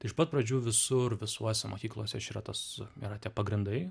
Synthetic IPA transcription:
t̪ɐɪɪʃpɐt̪pɾɐd͡ʒʲuːʋʲɪsʊrʋʲɪsuɔsʲɛmʔo̰ːkʲiːklˠuɔsʲɛʃʲiːɾɐt̪ɐsḭːɾɐt̪ʲiɛpɐɡɾʲɪnd̪ɐɪ

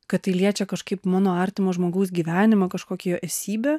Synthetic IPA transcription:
kɐtt̪ɐɪlʲiɛt͡ʃʲɛkɐʃkɐɪpmɑːnoːɐɾʲt̪ʲɪmoːʒmoːɡɐʊs̬ɡʲiːʋʲæːnʲɪmɐkɐʃkoːkʲɛjoːʔɛsʲiːbʲeː

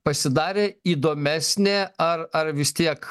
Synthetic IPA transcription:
pɐsʲɪd̪ɑːɾʲeːiːd̪oːmʲæːsʲnʲeːɐrɐɾʋʲɪst̪ʲiɛk

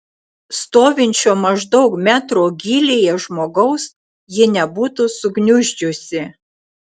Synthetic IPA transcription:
st̪oːʋʲɪnʲt͡ʃʲoːmɐʒd̪ɒʊkmʲæːt̪ɾoːɡʲiːlʲeːjɛʒmoːɡɐʊs | jɪnʲɛbuːt̪ʊsʊɡnʲʊʒʲd͡ʒʲʊsʲɪ

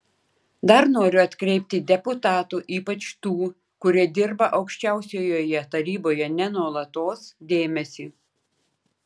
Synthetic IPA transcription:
d̪ɐɾnoːɾʲʊɐt̪ʲkɾʲɛɪpʲt̪ʲɪd̪ʲɛpʊt̪ɑːt̪uːʔiːpɐt͡ʃt̪uː | kʊɾʲiɛd̪ʲɪɾbɐʔɒʊkʃʲt͡ʃʲæˑʊsʲoːjoːjɛt̪ɐɾʲiːboːjɛnʲɛnuɔlˠɐt̪oːsd̪ʲeːmʲɛsʲiː

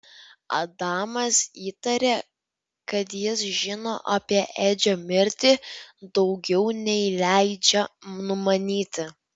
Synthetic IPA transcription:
ɐ̰d̪ɑːmɐsiːt̪ɐɾʲeː | kɐt̪jɪsʒʲɪnoːʔɐːpʲiɛʔeːd͡ʒʲoːmʲɪɾʲt̪ʲiːd̪ɒʊɡʲɛʊnʲɛɪlʲæɪd͡ʒʲɛnʊmɐnʲiːt̪ʲɪ

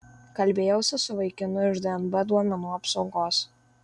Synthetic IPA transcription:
kɐlʲbʲeːjɛʊsʲɪsʊʋɐɪkʲɪnʊɪʒd̪ɛɛnbɛd̪uɔmʲɛnuɐpsʊŋkoːs

